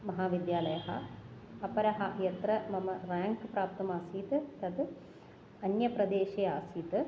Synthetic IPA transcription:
mɐɦaːʋid̪jaːlɐjɐɦɐ̰ | ɐpɐɾɐɦɐjɐt̪ɾɐmɐmɐɾaːŋkpɾaːpt̪ɐmaːsiːt̪ɨt̪ɐd̪ | ɐnjɐpɾɐd̪eːʃejaːsiːt̪ɨ

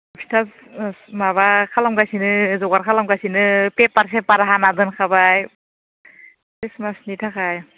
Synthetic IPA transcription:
pʰi̥tʰas | maβakʰalamɡajsinɯzɔɡaɾkʰalamɡajsinɯpepaɾsepaɾaɦanadɯnkʰabaj | kismasnitʰakaj

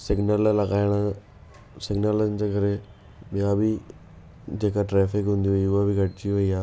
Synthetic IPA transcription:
sɪɡnəllɐɣaːɪɽ̃ə | sɪɡnələnɪ̆d͡ʑeːkɐɾe | ɓijãbɪ | d͡ʑeːkaʈɾɛːfɪkɦũnd̪iʋɐiʊɦabɪɡʱɐʈɪt͡ɕiʋɐiaː

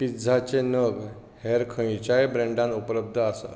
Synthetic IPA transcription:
pid͡zʱat͡ɕenəɡ | hɛɾkʰə̃it͡ɕaebɾẽɳɖãnupləb̚d̪ʱəasə̰

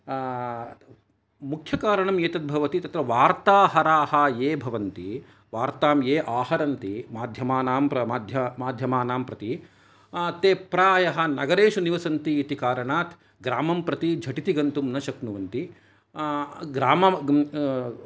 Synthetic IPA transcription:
mukʰjɐkaːɾɐɳɐmjeːt̪ɐt̪̚bʱɐʋɐt̪it̪ɐt̪ɾɐʋaːɾt̪aːɦɐɾaːhɐjeːbʱɐʋɐnt̪i | ʋaːɾt̪aːmjeːʔaːɦɐɾɐnt̪imaːd̪ʱjɐmaːnaːmɐaːd̪ʱjɐmaːd̪ʱjɐmaːnaːmpɾɐt̪i | t̪eːpɾaːjɐɦɐ̆nɐɡɐɾeːʃɐniʋɐsɐnt̪iːt̪ikaːɾɐɳaːt̪ʰ | ɡɾaːmɐmpɾɐt̪id͡ʒʱɐʈit̪iɡɐnt̪umnɐʃɐknuʋɐnt̪i | ɡɾaːmɐ

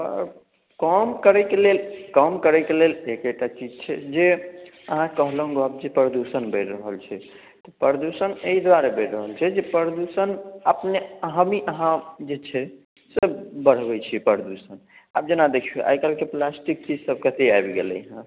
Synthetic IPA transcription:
ə̰ɾ | kəmkəɾɛkelelkəmkəɾɛkelelekek̚ʈat͡ʃid͡ʒt͡ʃʰɛd͡ʒe | əɦãkəɦlɦũɡoab̚d͡ʒepɾɾəd̪usənbəɪʈɾəɦəlt͡ʃʰɛ | t̪ɔpəɾd̪usəneɦid̪waɾebəɪʈɾəɦəlt͡ʃʰɛd͡ʒepəɾd̪usənəpneəɦəmiʔəɦãd͡ʒet͡ʃʰɛ | səbbəɽ̤bɛt͡ʃʰipəɾd̪usən | a̰b̚d͡ʒenad̪ekʰiḛʔa̰jkalkeplasʈik̚t͡ʃid͡ʒsəb̚kət̪eajbɡḛlə̰ɦã

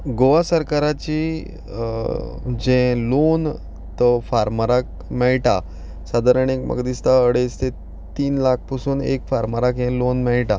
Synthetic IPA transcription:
ɡoʋasəɾkaɾat͡ɕi | d͡ʑɛ̃lon | t̪əfaɾməɾak̚ | mɛɭʈa | sad̪ʱaɾəɳekmʔə̰ɡd̪ist̪aəɽest̪e | t̪iːnlak̚ʰpəsuːnḛkfaɾməɾakjɛ̃lonmɛɭʈa

